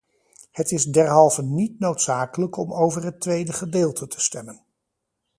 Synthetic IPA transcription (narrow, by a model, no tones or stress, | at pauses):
hətɪzdɛɹɦɑlˠvənitnowtsaːkələkɔmowvərɦətʋejdəχədeːlˠtʰətʰə̥stɛmən